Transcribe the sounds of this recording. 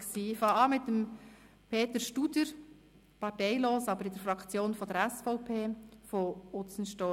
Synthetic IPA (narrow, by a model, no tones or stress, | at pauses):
ksiːfɑːɑːmɪt̪əm | pʰeːt̪əɾʃtud̥̪əɾ | pɑɾtɛɪloːsɑbəɾɪd̪əɾfɾɑkt͡sjoːnfɔd̥̪əɾæsfɔʊpʰeːfɔʊt͡sən̩ʃtɔ